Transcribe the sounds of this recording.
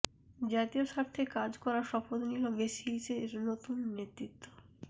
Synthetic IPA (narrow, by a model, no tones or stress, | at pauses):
d͡ʑat̪ioʃaɾt̪ʰekad͡ʑkɔɾaɾʃɔfod̪oniobeʃilseɾnot̪unːet̪ɾit̪ːo̥